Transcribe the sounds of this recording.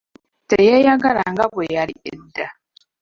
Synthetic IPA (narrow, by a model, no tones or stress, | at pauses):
tejejaɡalaŋɡaβwejaliḛda